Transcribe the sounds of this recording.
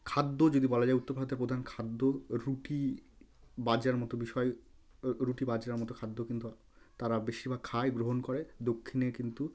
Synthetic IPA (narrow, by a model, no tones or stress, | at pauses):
kʰad̪ːod͡ʑod̪ibɔlad͡ʑaeut̪ːoɾbʱad̪ʱaɾpɾod̪ʱankʰad̪ːoɾuʈi | bad͡ʑaɾmɔt̪obiʃɔe | ɾuʈibad͡ʑɾaɾmɔt̪okʰad̪ːokint̪u | t̪aɾabeʃibakʰaeɡɾoɦonkoɾed̪okʰːinekint̪u